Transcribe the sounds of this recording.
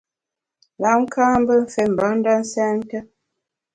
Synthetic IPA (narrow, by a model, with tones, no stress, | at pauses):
la˨˦ŋ̩˦kʰaː˦m˦bə˦ɱ̩˦fe˨m̩˨ba˨˦ŋn̩˦da˦n̩˦sɛ˦n˦tə˦